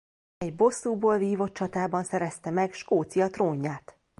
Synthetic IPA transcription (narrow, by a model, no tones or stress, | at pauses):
ɛɟbo̞sːuːboːlviːvo̞t̚t͡ʃɒt̪aːbɒnsɛɾɛst̪ɛmɛɡʃkoːt̪sijɒt̪roːɲːaːt̪